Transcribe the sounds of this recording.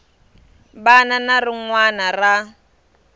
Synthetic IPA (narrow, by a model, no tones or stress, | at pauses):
bananarɪŋwanara